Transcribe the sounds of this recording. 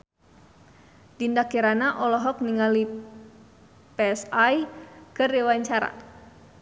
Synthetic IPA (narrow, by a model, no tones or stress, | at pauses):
dindakiɾanaʔɔlɔɦɔk̚niŋali | peɛsajkɨrdiwaɲt͡ʃaɾa̰